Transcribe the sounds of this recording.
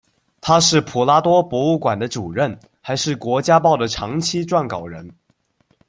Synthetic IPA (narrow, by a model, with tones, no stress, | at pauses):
t̪ʰa˥ʂɻ̩˥˩pʰu˨˩la˥t̪wɔ˥pwɔ˧˥u˥˩kwa˨˩nd̪ə˦ʈ͡ʂu˨˩ɻə˥˩n | xa˧˥ɪʂɻ̩˥˩kwɔ˧˥t͡ɕja˥pɑ˥˩ʊd̪ə˩ʈ͡ʂʰɑ˧˥ŋt͡ɕʰi˥ʈ͡ʂwa˥˩nkɑ˨˩ʊɻə˧˥n